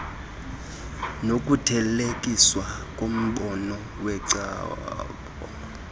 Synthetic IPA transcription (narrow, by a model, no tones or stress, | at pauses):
nokʼutʰɛlekʼiswakʼom̩ɓɔnɔ | wɛǀa̰k | ɔ̰